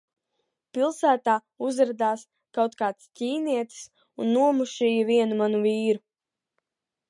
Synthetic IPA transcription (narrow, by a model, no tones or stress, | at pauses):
pilˠsæːt̪aː | uzɾad̪aːs | kawt̪kaːt̪scʲiːniɛt̪i̥s | unːuɔmuʃijaviɛnumanuviːɾu